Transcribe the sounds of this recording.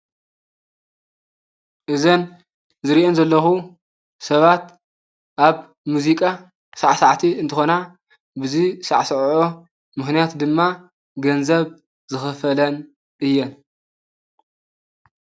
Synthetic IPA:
ʔɨzɐn | zɨɾiʔonzɐlːɐxu | sɐβat̪ | ʔaβ | muzikʼa | saʕsaʕt̪ʰiɨnt̪ʰɨxo̞na | bɨzisaʕsʕo | mɨxnijat̪d̪ɨmːa | ɡɐnzɐβ | zɨxɨfɐlɐn | ʔɨjːɛn

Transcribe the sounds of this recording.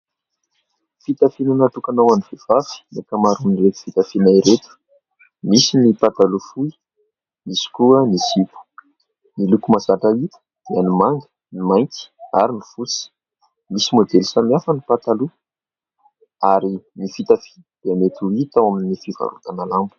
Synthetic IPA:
fit̪afinanat̪ukanawaniv̥ev̥afi̥nakamaɾuniret̪i̥fit̪afinajɾet̪u̥ | misinipat̪alufuj | misi̥kuənizip̪u̥ | nilukumazaʈ͡ʂait̪ | d̪̥eanimaŋɡə̥ | nimajki̥a̰ɾinifut͡si̥ | misimod̪elisamjafanipat̪alu | aɾinifit̪afi̥nd̪̥eamet̪uit̪awaminifiva̰ɾṵt̪analambu̥

